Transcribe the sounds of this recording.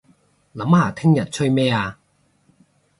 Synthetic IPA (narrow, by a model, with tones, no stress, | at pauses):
lɐ˨˥maː˨˩t̪ʰɪ˥ŋjɐ˨˩t̚t͡ɕʰɵ˥ɥmɛː˥aː˧